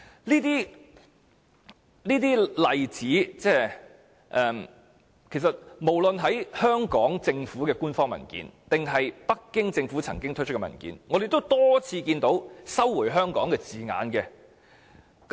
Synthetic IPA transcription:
liː˥t̪iː˥ | liː˥t̪iː˥lɐ˨jt͡siː˨˥t͡sɛː˥˩ | ʔɛː˨m | kʰe˨˩js̬ɐ˨t̚mo˨˩wlɵ˨nɦɐ˨˥jhœː˥ŋkɔː˨˥ŋt͡sɪ˧ŋfuː˨˥kɛː˧kuː˥nfɔː˥ŋmɐ̰˨˩nkḭː˨˥nt̪ɪ˨ŋɦɐ˨jpɐ˥kːɪ˥ŋt͡sɪ˧ŋfuː˨˥t͡sʰɐ˨˩ŋkɪ˥ŋt̪ʰɵ˥ɵ˥kːɛ˧mɐ̰˨˩nkḭ˨˥nŋɔː˨˧d̪e˨jt̪o˥wt̪ɔː˥t͡sʰiː˧kiː˧nt̪o˨˥wsɐ˥wːu˨˩jɦœː˥ŋkɔ̰ː˨˥ŋkɛː˧t͡siː˨ŋa̰ː˨˧nkɛ˧ | k

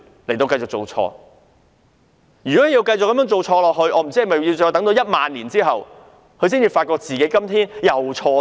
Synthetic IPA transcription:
le˨˩jt̪o˧wkɐ˧jt͡sʊ˨k̚t͡so˨wt͡ʃʰɔ̰ː˧ | jy˨kɔ˨˦˥ji˧wkɐ˧jʊ˨kːɐ˨˥mœː˥ŋt͡so˨wt͡ʃʰɔː˧lɔː˨k̚ɦhɵ˧ɥʔɔː˨˧m̩˨˩t͡si˥hɐ˨˩mɐ˨˩jji˧wt͡ʃɔː˧jt̪ɐ˨˥ŋt̪o˧wjɐ˥t̚maː˨nliː˨˩nt͡siː˥ɦɐ˨w | kʰɵ˧s̬iː˥nt͡siː˨faː˧t̚kɔː˧k̚t͡siː˨ke˨˥jkɐ˥mt̪ʰiː˥njɐ˨wt͡ʃʰɔː˧

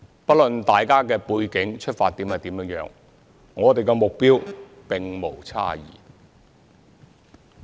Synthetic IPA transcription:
pɐ˥t̚lɵ˨nt̪aː˨jkaː˥kɛː˧puː˧jkɪ˨˥ŋt͡ʃʰɵ˥t̚faː˧t̚t̪iː˨˥mhɐ˨jt̪iː˨˥mjœː˨˧˥ŋjœː˨˥ŋː | ɔː˨˧t̪e˨jkɛ˧mʊ˨k̚piː˥w | pɪ˨ŋmo˨˩wt͡sʰa̰ː˥jḭː˨˩

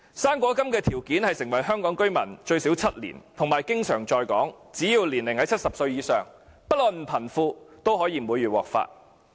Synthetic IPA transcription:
saː˥ŋkʷɔː˨˥kɐ˥mkɛː˧t̪ʰiː˨˩wkiː˨˥nhɐ˨jsɪ˨˩ŋwɐ˨˩jɦœː˥ŋkɔː˨˥ŋkɵ˥ɥmɐ˨˩nt͡ʃɵ˧ɥsi˨˥wt͡sʰɐ˥t̚lḭː˨˩nt̪ʰʊ˨˩ŋmaː˨˩jkɪ˥ŋsœː˨˩ŋt͡ʃɔː˧jkɔː˨˥ŋt͡siː˨˥ji˨˧wliː˨˩nlɪ˨˩ŋhɐ˨˥jt͡sʰt̚sɐ˨p̚sɵ˧ɥjiː˨˧sœː˨˩ŋpɐ˥lɔː˨˩nm̩˨˩pʰɐ˨˩nfuː˧t̪o˥wɦɔː˨˥jiː˧m˨muː˨˧jːyː˨wɔ̰ː˨k̚fa̰ː˧t̚

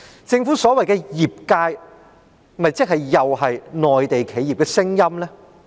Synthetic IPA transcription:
t͡sɪ˧ŋfuː˨˥sɔː˨˥wɐ˨jkɛː˧jiː˨˩p̚kaː˧j | mɐ˨jt͡sɪ˥k̚ɦɐ˨jːɐ˨whɐ˨jnɔː˨jt̪e˨jkʰe˨˧jiː˨p̚kɛː˧sɪ˥ŋjɐ˥mlɛː˥

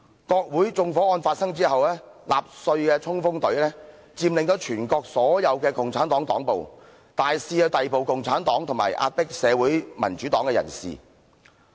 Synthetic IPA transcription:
kɔː˧k̚wuː˨˥jt͡sʊ˧ŋfɔː˨˥ɔː˧nfaː˧t̚sɐ˥ŋt͡siː˥hɐ˨wlɛː˥ | laː˨p̚sɵ˧ɥkɛː˧t͡sʰʊ˥ŋfʊ˥ŋt̪ɵ˨˥ɥlɛː˥ | t͡siː˧mlɪ˨ŋt̪o˨˧wt͡ʃʰyː˨˩nkɔː˧k̚sɔː˨˥jɐ˨˧wkɛː˧kʊ˨ŋt͡sʰaː˨˥nt̪ɔː˨˥ŋt̪ɔ̰ː˨˥ŋpo˨w | t̪aː˨jsiː˧jɐ˨˧wt̪ɐ˨jpo˨wkʊ˨ŋt͡sʰaː˨˥nt̪ɔː˨˥ŋt̪ʰʊ˨˩ŋma̰ː˨˩jʔa̰ː˧t̚pɪ˥k̚sɛː˨˧wuː˨˥jmɐ˨˩nt͡ʃyː˨˥t̪ɔː˨˥ŋkɛ˧jɐ̰˨˩nsḭː˨˩

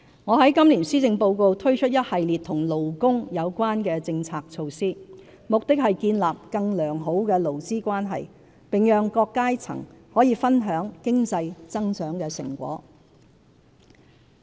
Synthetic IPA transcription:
ŋɔː˨˧ɦɐ˨˥jkɐ˥mliː˨˩nsiː˥t͡sɪ˧ŋpo˧wko˧wt̪ʰɵ˥ɥt͡ʃʰɵ˥t̚jɐ˥t̚hɐ˨jliː˨t̪̚ʰʊ˨˩ŋlo˨wkʊ˥ŋjɐ˨˧wkʷaː˥nkɛː˧t͡sɪ˧ŋt͡sʰaː˧k̚t͡sʰo˧wsiː˥ | mʊ˨k̚t̪ɪ˥k̚hɐ˨jkiː˧nlaː˨p̚kɐ˧ŋlœː˨˩ŋɦo˨˥wkɛː˧lo˨˩wt͡siː˥kʷaː˥nɦɐ̰˨j | pɪ˨ŋjœː˨˧ŋkɔː˧kːaː˥jt͡sʰɐ̰˨˩ŋhɔː˨˥jiː˨˧fɐ˥nɦœː˨˥ŋkɪ˥ŋt͡sɐ˧jt͡sɐ˥ŋsœː˨˥ŋkɛː˧sɪ̰˨˩ŋkʷwɔ̰ː˨˥

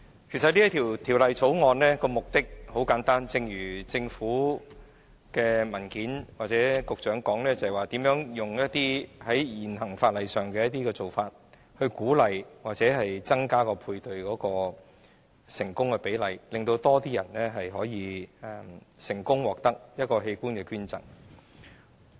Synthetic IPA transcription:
kʰe˨˩js̬ɐ˨t̚li˥ɐ˥t̪ʰi˨˩wt̪ʰiː˨˩wlɐ˨jt͡so˨˥wŋɔː˨˧nlɛː˥kɔː˧mʊ˨k̚t̪ɪ˥k̚ho˨˥wkaː˨˥nt̪aː˥nt͡sɪ˧ŋjyː˨˩t͡sɪ˧ŋfuː˨˥ | kɛː˧mɐ˨˩nkiː˨˥nwaː˨k̚t͡sɛː˨˥kʊ˨k̚t͡ʃœː˨˥ŋkɔː˨˥ŋlɛː˥t͡sɐ˨ɐ˨˩waː˨˩t̪iː˨˥mjœː˨˥ŋjʊ˨˩ŋjɐ˥t̚t̪iː˥hɐ˨˥jjiː˨˩nɦɐ˨˩ŋfaː˧t̚lɐ˨jsœː˨˩ŋkɛː˧jɐ˥t̚t̪iː˥kɛː˧t͡so˨˩wfaː˧t̚ | hɵ˧ɥkuː˨˥lɐ˨jwaː˨k̚t͡sɛː˨˥ɦɐ˨jt͡sɐ˥ŋkaː˥kɔː˧pʰuː˧jt̪ɵ˨ɥkɔː˨˥kɔː˧ | sɪ˨˩ŋkʊ˥ŋhɛ˧pe˨˥jlɐ˨˩jlɪ˨ŋt̪o˧wt̪ɔː˥t̪iː˥jɐ˨˩nlɛː˥ɦɐ˨jɦɔː˨˥jiː˨˧ɛ˨˧˩sɪ˨˩ŋkʊ˥ŋwɔː˨k̚t̪ɐ˥k̚jɐ˥t̚kɔː˧ɦe˧jkuː˥nkɛː˧kyː˥nt͡sɐ̰˨˩ŋ

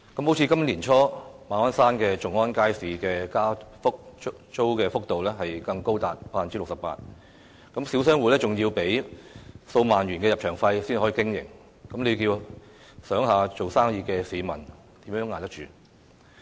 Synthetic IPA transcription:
kɐ˨˦mho˨˥wt͡sʰiː˧kɐ˥mliː˨˩nt͡ʃʰɔː˥maː˨nɔː˥nsaː˥nkɛː˧t͡sʊ˨˩ŋɔː˥nkaː˥jsiː˨kɛː˧kaː˥fʊ˥k̚t͡ʃo˥wkɛː˧fʊ˥k̚t̪o˨wlɛː˥ɦɐ˨jkɐ˧ŋko˥wt̪aː˨t̚paː˧˨nt͡siː˥lʊ˨k̚sɐ˨pa̰ː˧t̚ | kɐ˨˥msiː˨˥wsœː˥ŋwuː˨lɛː˥t͡sʊ˨ŋjiː˧wpe˨˥j | so˧wmaː˨nɥyː˨˩nkɛː˧jɐ˨p̚t͡ʃʰœː˨˩ŋfɐ˧jsiː˥n˨hɔ˨˥iː˧kɪ˥ŋjɪ̰˨˩ŋ | kɐ˨˥mle˨˧kiː˧w | sœː˨˥ŋɦaː˨˧t͡ʃo˨wsaː˥ŋjiː˧kɛː˧siː˨˧mɐ̰˨˩n | t̪iː˨˥mjœː˨˥ŋːaː˨˩t̪ɐ˥t͡ʃyː˨˩

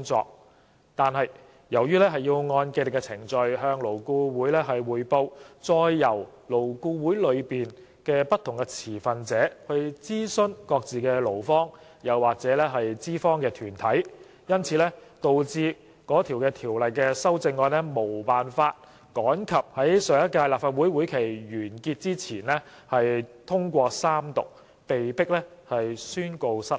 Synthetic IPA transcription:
kʊ˥ŋt͡sɔ̰ː˧k̚ | t̪aː˨nɦɐ˨j | jɐ˨˩wjyː˥lɛː˥ɦɐ˨jːiː˧wŋɔː˧nke˧lɪ˨˩kːɛ˧t͡sʰɪ˨˩ŋt͡ʃɵ˨ɥhœː˧ŋlo˨˩wkuː˧wuː˨˥jlɛː˥ɦɐ˨jwuː˨˩jpo˧wt͡sɔː˧jːɐ˨˩w | lo˨˩wkuː˧wuː˨˥jlɵ˨˧ɥpiː˨n | kɛː˧pɐ˥t̪ʰʊ˨˩ŋkɛ˧t͡sʰiː˨˩fɐ˨nt͡sɛː˨˥hɵ˧ɥt͡siː˥sɵ˥nkɔː˧k̚t͡siː˨kɛː˧lo˨˩wfɔː˥ŋ | jɐ˨˩wːaː˨k̚t͡sɛː˨˥lɛː˥ɦɐ˨jt͡siː˥fɔː˥ŋkɛː˧t̪ʰyː˨˩nt̪ʰɐ˨˥j | jɐ˥nt͡sʰiː˨˧˥lɛː˥t̪o˨wt͡siː˧ | kɔː˨˥t̪ʰiː˨˩wkɛː˧t̪ʰiː˨˩wlɐ˨jkɛː˧sɐ˥wt͡sɪ˧ŋːɔː˧nlɛ˥mo˨˩wpaː˨˩nfaː˧t̚ | kɔː˨˥nkʰɐ˨p̚hɐ˨˥jsœː˨˧ŋjɐ˥t̚kaː˧jlaː˨p̚faː˨t̚wu˨˥jwuː˨˥jkʰe˨˩jjyː˨˩nkiː˧t̚t͡siː˥t͡sʰiː˨˩nlɛ˥ | hɐ˨jt̪ʰʊ˥ŋkʷɔː˧saː˥mt̪ʊ˨k̚ | pe˨jpɪ˥k̚lɛ˥hɐ˨jsyː˥nko˧wsɐ˥

